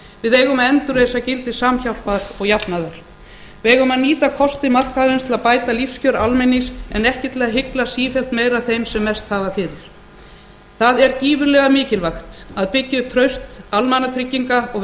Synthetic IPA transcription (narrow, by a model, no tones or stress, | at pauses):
vɪðeːjɣʏmaðɛnt̪ʏɾejsacɪlt̪ɪ̥saːmçawl̥paɾɔɣjapnaðaɾ̥ | vɛɣʏmaðniːt̪akʰɔst̪ɪmar̥kaðɾɪnst̪ʰɪlaðpaːjt̪alifscœːɾalmɛnːɪsɛnɛhcɪt̪lɛːɣaɦɪklasiːfɛl̥t̪meːjɾaðθejmsɛmːɛst̪haːvafɪɾɪɾ̥ | θaðɛɾciːvʏɾlɛːɣamɪːcɪlvaxt̪aðpɪcːɪʏp̚t̪ʰɾœɥst̪almanat̪ʰɾɪcːiŋkaɔɣ